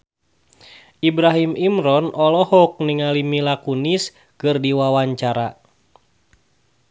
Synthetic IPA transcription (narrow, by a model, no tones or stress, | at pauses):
ibɾaɦimimɾɔnɔlɔhɔk̚niŋalimilakunis | kɨrdiwawaɲt͡ʃaɾa